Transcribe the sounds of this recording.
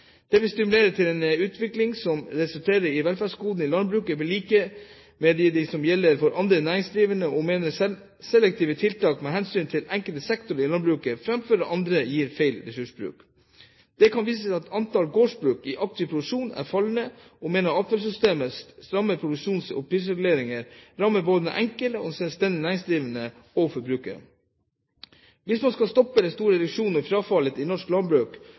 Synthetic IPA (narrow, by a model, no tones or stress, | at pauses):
d̪̥ɛʋɪlst̪ɪmʉleːɾət̪ʰɪlɛnʉːt̪ʰʋɪklɪŋsɔmɾɛsʉlt̪ʰeːɾəɾɪʋɛlfæʂkuːd̪n̩ɪlɑnbɾʉːkəʋɪliːkə | mɛd̪ɛd̪ɪsɔmjɛlːəɾfɔɾʔɑnd̪ɾənæːɾɪŋsd̪ɾiːʋənəɔmeːnəɛ | sɛlɛk̚t̪ʰiːʋət̪ʰɪlt̪ɑːkmɛɦɛnsyːnt̪ʰɪlɛŋkəlt̪əsɛkt̪ʊɾəɾɪlɑnbɾʉːkəfɾɑmføːɾəʔɑnd̪ɾəjiːɾfæɪlɾɛsʉʂbɾʉ̰ːk | d̪̥ɛkʰɑnʋiːsəsæɪɑt̪ɑnt̪ɑlɡoːʂbɾʉːkɪʔɑk̚t̪ʰɪpʰɾʊd̪ʉʂuːnæ̰ɾfɑlnə | ɔmeːnɑɑːt̪fɑls̬ʏst̪eːməst̪ɾɑmːəpʰɾʊd̪ʉkʂuːnsɔ̰pʰɾiːs̬ɾɛɡʉleːɾɪŋəɾɾɑmːəboːd̪ənɛ̰ʔɛŋkələɔ̰sɛlst̪ɛnd̪ɪnæːɾɪŋsd̪ɾiːʋənə | ɔfɔɾbɾʉːkə̰ɾ | ʋɪsmɑnskɑlst̪ɔpːəd̪ɛst̪uːɾəd̪ʉkʂuːnəɾfɾɑːfɑlət̪ɪnɔʂklɑnbɾʉːk